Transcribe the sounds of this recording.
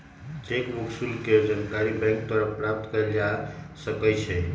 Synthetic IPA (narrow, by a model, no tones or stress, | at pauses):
t͡ʃekmuksulked͡ʒənkaɾibɛ̃ŋk̚t̪əɾəpɾap̚t̪kəld͡ʒasəkət͡ʃʰɛ